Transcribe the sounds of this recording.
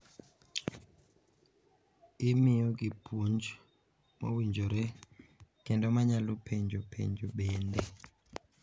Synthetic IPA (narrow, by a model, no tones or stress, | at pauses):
imijɔɡipʰund͡ʒ | mɔ̰wind͡ʒʱɔɾɛ | kɛndɔmaɲalupʰɛɲd͡ʒʱɔpʰɛ̰ɲd͡ʒuɓɛːndɛ